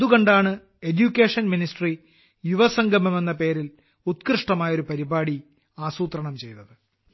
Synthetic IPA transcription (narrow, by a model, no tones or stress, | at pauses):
ɐðuɣoɳɖaːɳɨ | e̞djukʲːeːʂɐnminisʈri | juʋɐsɐŋɡʱɐmeme̞nːɐpe̞ːɾil | ut̪krɨʂʈɐmaːjɐo̞ɾupɐɾibaːɽi | aːsuːt̪rɐɳɐmt͡ɕe̞jt̪ːɐðɨ